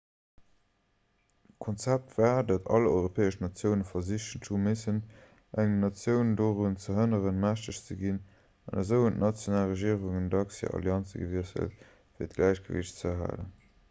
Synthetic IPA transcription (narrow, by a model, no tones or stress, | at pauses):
kʰont͡sæp̚tv̥aːdɑtʰɑ̰lɔ̰ɪʁopʰɛːəʃnɑt͡sjəʊnəfɐziʃənʃumesən | ʔæŋnɑt͡sjəʊndoːʁunt͡səɦənəʁənmæʃtəɕt͡səɡin | ɑnɑzəʊəntnɑt͡sjonaːlʁəʒiːəʁuŋəndɑksjə̰ʔɑ̰ljɑnt͡səɡə̰viəsə̰lt | fiːɐtɡ̥læɪɕɡ̥əvḭɕt͡səɦa̰ːlə̰n